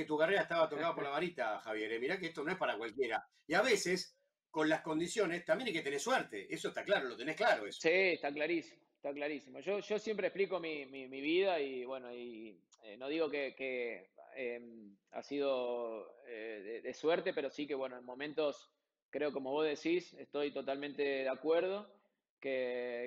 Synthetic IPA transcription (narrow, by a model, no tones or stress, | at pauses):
et̪uɣareɾaet̪aβat̪okaðapoɾlaβaɾit̪axaβje̞ɾemiɾak̬eest̪o̞noepaɾakwalkjeɾa | iaβeses | ko̞nlasko̞nd̪isjo̞nest̪ambjenajket̪eneswɛɾt̪eʔesoest̪aklaɾolo̞t̪e̞nehklaɾo̞eso̥sieht̪aklaɾisimoeht̪aklaɾisimoʒo̞ʒo̞sjempɾehpliko̞mimimiβiðaiβwe̞no̞i | eno̞ðiɣo̞kekeema̰sið̞o̞ | eðeðesweɾt̪e̞pe̞ɾo̞sikeβwe̞noenmo̞mẽ̞nt̪o̞s | kɾe̞o̞ko̞mo̞β̞o̞zðe̞sisest̪o̞jt̪o̞t̪almẽnt̪e̞ðeakweɾð̞o̞ | ke